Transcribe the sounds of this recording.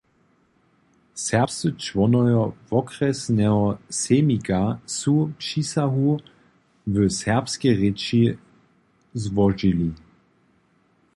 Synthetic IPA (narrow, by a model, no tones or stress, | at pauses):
sɛɐpsət͡ʃvɔnɔjɔvɔkʁɛsnɛɦɔsemikasupʃisaɦu | vəsɛɐpskeʁɪt͡ʃi | zvɔʒili